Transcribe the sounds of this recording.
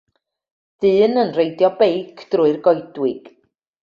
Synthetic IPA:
ð̥ɨːnənrejdjɔbejkʰd̥rʊɨrɡɔjdwɪɡ̥

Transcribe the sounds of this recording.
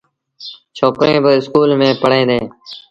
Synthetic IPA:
t͡ʃʰoːkɾẽːbəɪskuːlmẽːpəɽẽːd̪ẽː

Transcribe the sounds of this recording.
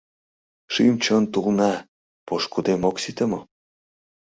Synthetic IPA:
ʃimt͡ɕənt̪ulnɑ | poʃkud̪emoksit̪ə̆mo

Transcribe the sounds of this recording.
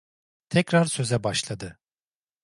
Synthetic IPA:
t̪ʰɛcɾaɾsø̞zɛbaʃlˠad̪ɯ

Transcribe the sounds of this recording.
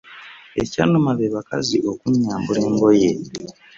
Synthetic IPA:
e̞̰ca̰nomaβeβakaziʔo̞kuɲːaːmbuɾe̞ːŋɡo̞je̞

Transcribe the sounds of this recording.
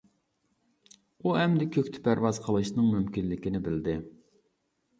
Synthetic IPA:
uɛmd̪ɪkʲʰøkʲt̪ʰɪ̥pʰæɾvɑz̥qʰəlˠɨʃnɨŋmymkʲinlɪkʲinɪbɪld̪ɪ

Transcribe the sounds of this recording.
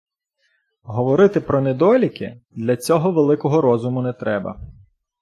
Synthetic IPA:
ɦɔʋɔɾɪt̪ɪpɾɔnɛd̪ɔlʲikɪ̰d̪lʲɐt͡sʲɔɦɔʋelˠɪkɔɦɔɾɔzʊmʊnɛt̪ɾɛbɐ̰

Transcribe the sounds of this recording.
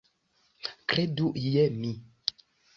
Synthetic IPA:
kɾeduʔjɛmĩ

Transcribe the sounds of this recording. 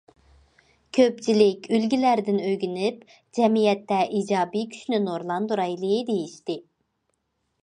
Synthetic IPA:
kʲʰøp̚t͡ʃʰilɪkʲylɡʲilæɾd̪ɪnøɡʲynyp | d͡ʒɛmijɛt̪ːɛʔid͡ʒɑːbikʲʰy̥ʃnynoɾlˠɑnd̪uɾɑjlˠɨd̪ejiʃt̪ɪ

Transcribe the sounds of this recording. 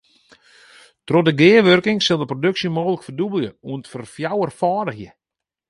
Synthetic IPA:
trɔdəɡɪːəʋørkɪŋsɪlˠdəprodøksjəmoːɣələkfərdubəlˠjəuəntfərfjawərfaːdəxjə

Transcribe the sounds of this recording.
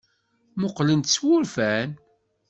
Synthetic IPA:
moqlənt̪swʊɾfæn

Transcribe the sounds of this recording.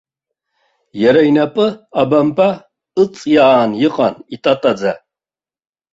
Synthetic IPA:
jɛɾajnapʼɨabampʼa | ɨt͡sʼjaːnjɨqʼanit̪ʼat̪ʼad͡za

